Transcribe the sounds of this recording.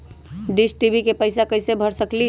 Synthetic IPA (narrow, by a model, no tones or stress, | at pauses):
ɖisʈibʱikepəɪsakəɪsebʱəɾsəkli